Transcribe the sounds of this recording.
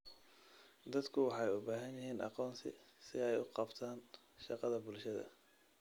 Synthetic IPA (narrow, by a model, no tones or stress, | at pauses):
d̪ɐd̪kʰʊwɑħɑjʊbaːɦɐnjɐɦiːnʔɑ̰qɔːnsɪ̰sɪɛjʊqɑbt̪ʰaːn | ʃɑqɑðɐbʊlʃɐðɐ̰